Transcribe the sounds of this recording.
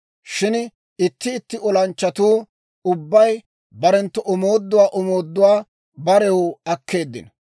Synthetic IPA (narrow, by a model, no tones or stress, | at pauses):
ʃɪn | ɪt̪ːɪːt̪ːɪɔlɐnt͡ʃːɐt̪uː | ʊbːɐj | bɐɾɛnt̪ːɔʔɔmoːd̪ːʊwaːʔɔmo̞ːd̪ːʊwaː | bɐɾɛwʊɐkʰːe̞ːd̪ːɪ̰n